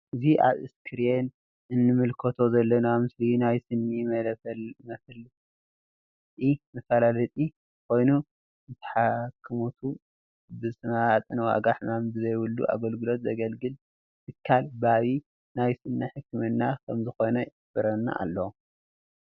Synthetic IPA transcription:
ʔɨziʔa̰βɨ̰skʰɨɾen | ɨnːɨmɨlkʰɐt̪ʰo̞zɐlːɐnamɨslinajsɨnːimɐlfɐlmɐsl | t̪ʼimɐfalalɐt̪ʼi | kʰo̞jnu | zɨt̪ʰɐ̥ħakʰːɨmot̪ʰu | bɨsʼɨnaat̪ʼɨnwa̰ɡaħnambɨzɐjwulːṵʔa̰ɡɐlɡɨlo̞t̪zɐɡɐlɡɨl | t̪ʰɨkʰːalbaβi | najsɨnːɐħɨkʰːɨmɨnːakʰɐmzɨxo̞nɐj | fɨɾɐnːa̰ʔa̰lːɐw

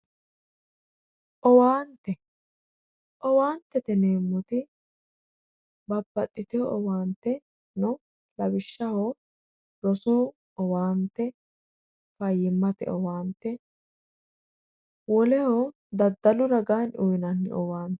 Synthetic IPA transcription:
ʔɔwaːnt̪ːɛ | ʔɔwaːnt̪ːɛt̪ɛneːmːɔt̪ɪ | bɐbːɐt̪ʼːɪt̪ɪjɔʔɔwaːnt̪ːɛ | nɔ | lɐbɪʃːɐho | ɾɔsuː | ɔwaːnt̪ːɛ | fɐjːɪmːɐt̪ɛ̰ʔɔwaːnt̪ːɛ | wɔlɛhɔ | d̪ɐd̪ːɐlʊɾɐɡaːnujɪnɐnːɪ̰ʔɔwaːnt̪ɛ̥

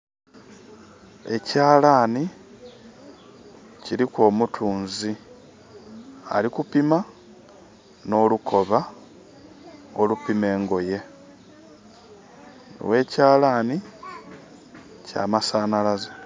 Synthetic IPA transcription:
e̞̰caːlaːni | ciɾiko̞ːmutʰuːnzi | a̰likupima | no̞ːlukʰo̞βa | olupime̞ːŋɡo̞je̞ | ḭwe̞ːcaːlaːni | ca̰ːmasaːnalaze

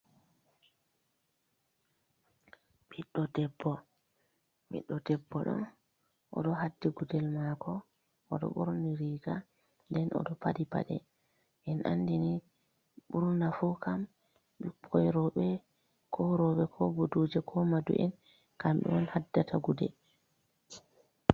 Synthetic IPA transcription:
ɓiɗːɔdɛbːɔ | mḭɗːɔdɛbːɔɗɔ̰n | ʔɔ̰ɗɔɦadːiɡudɛlmakʰɔ | ʔɔɗɔ̰ɓɔɾniɾiːɡa | ndɛnʔɔ̰ɗɔpadipa̰ɗɛ̰ | ʔɛnʔa̰nːdini | ɓuɾndafukam | ɓipʰɔjɾɔɓɛ | kʰɔɾɔɓɛkʰɔbodud͡ʒɛkʰɔmadṵʔɛ̰n | kamɓɛ̰ɔnhadːatʰaɡudɛ̰l

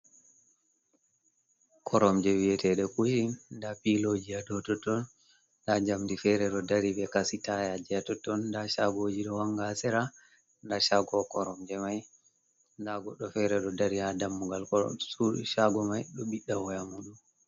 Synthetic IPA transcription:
kʰɔɾɔmd͡ʒɛwijɛtɛɗɛkuʃindapilod͡ʒiadɔtɔtɔn | dad͡ʒamdifɛɾɛɗɔdaɾibɛkasitajad͡ʒɛatɔtːɔndaʃaɡod͡ʒiɗɔwaŋɡasɛɾa | ndaʃaɡɔkɔɾɔmd͡ʒɛmaj | ndaɡɔɗːɔfɛɾɛɗɔdaɾihadamːuɡalkɔ̰sṵʃaɡɔmajɗɔɓiɗːawɔjamuɗum

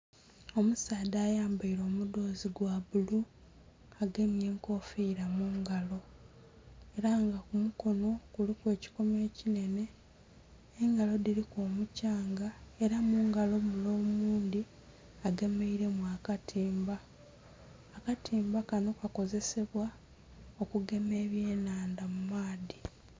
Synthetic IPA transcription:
o̞musaːdaːjaːmbaiɾo̞ːmudo̞ːziɡwaβulu | aɡe̞mje̞ːŋko̞ːfiːɾamuːŋɡalo̞ | e̞ɾaŋɡakumuko̞no̞kulikwe̞ːci̥ko̞me̞ːcine̞ne̞ | ŋɡalo̞diɾikoːmucaːŋɡae̞ɾamuŋɡalo̞mulo̞ːmuːndi | aɡe̞me̞iɾe̞mwaːkatʰiːmba | katʰiːmbakano̞kako̞ze̞se̞βwa | o̞kuɡe̞me̞ːβje̞ːnaːndamumaːdi

